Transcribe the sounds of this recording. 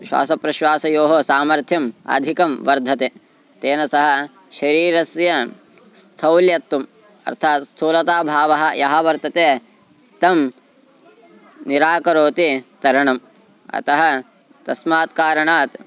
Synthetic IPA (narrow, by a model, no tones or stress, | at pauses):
ʃwa̰ːsɐpɾɐʃʋaːsɐjoːɦosaːmɐɾt̪ʰjɐmɐ̰d̪ʱikɐmʋɐɾd̪ʱɐt̪e | t̪eːnɐsɐɦɐ̆ | ʃɐɾiːɾɐsjɐ | st̪ʰɐwljɐt̪ːum | ɐ̰ɾt̪ʰaːt̪st̪ʰuːlɐt̪aːbʱaːʋɐɦɐ̆jɐɦɐʋɐɾt̪ɐt̪eː | t̪ɐm | niɾaːkɐɾoːt̪it̪ɐɾɐɳɐm | ɐ̰t̪ɐɦɐ | t̪ɐsmaːt̪kaːɾɐɳaːt̪